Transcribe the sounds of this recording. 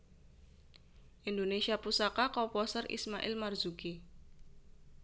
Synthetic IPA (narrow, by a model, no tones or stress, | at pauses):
ʔindonesiapusakakɔpɔsərḭsmaʔɪ̰lmarzuki